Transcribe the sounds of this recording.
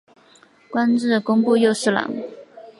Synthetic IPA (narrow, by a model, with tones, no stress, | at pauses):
kwa˥nʈ͡ʂɻ̩˥˩kʊ˥ŋpu˥˧jo˥˧ʊʂɻ̩˥˩lɑ̰˨˧˥ŋ